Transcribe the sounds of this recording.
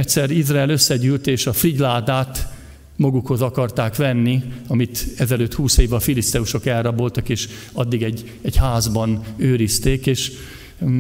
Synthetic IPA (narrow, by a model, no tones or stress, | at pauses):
ɛtʲsɛrizraɛløsːɛɟyːlt̪eːʃɒfriɟlaːd̪aːt̪ | mɒɡukho̞zɒkɒrt̪aːkʋɛnːiɒmit̪ɛzɛløːt̪huːseːvɒfilist̪ɛuʃo̞kɛlrːɒbo̞lt̪ɒkeːʃ | ɒd̪ːiɡɛɟː | ɛɟhaːzbɒnøːɾist̪eːkeːʃ